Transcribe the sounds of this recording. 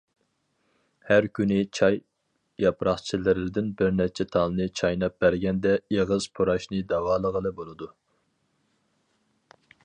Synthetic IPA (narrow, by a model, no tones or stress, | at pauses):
hæɾkʲʰynɪt͡ʃʰɑj | jɑpɾɑχt͡ʃʰilɪɾɪd̪ɪnbɪɾnɛt͡ʃʰɛt̪ʰɑlˠnɨt͡ʃʰɑjnɑp̚bæɾɡʲɛnd̪ɛeʁəz̥pʰoɾɑʃnɨd̪ɑwɑːlˠəʁəlˠɨbolˠɨd̪u